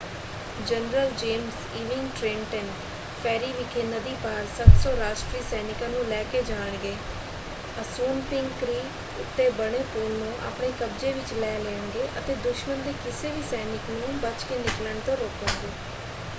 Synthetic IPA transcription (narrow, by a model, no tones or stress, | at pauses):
d͡ʒənɾəld͡ʒeːms | iːʋɪŋɡʈɾeːɳʈɛːn | pʰɛːɾiːʋɪkʰeːnəd̪iːpaːɾsət̪sɔːɾaːʃʈɾiːsɛːnɪkãːnũːlɛːkeːd͡ʒaːɳɡeː | əsuːnpɪŋɡkɾiː | ʊt̪ːeːbəɽeːpoːlnũːʔa̰ːpɳeːkəbd͡ʒeːʋɪt͡ʃlɛːleːəɳɡeːʔət̪eːd̪ʊʃmənd̪eːkɪseːʋiːsɛːnɪknũːbət͡ʃkeːnɪkləɳt̪õːɾoːkənɡeː